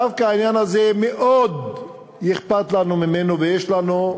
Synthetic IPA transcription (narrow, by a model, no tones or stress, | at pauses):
afkanjanazemeʔod̪ | jɪxpat̪lanumɪmenobeeʃlano